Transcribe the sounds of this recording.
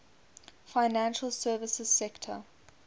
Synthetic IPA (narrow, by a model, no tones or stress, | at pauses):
faɪnæ̃nʃəlˠsɜːvɪsəz̥sɛktʰə̰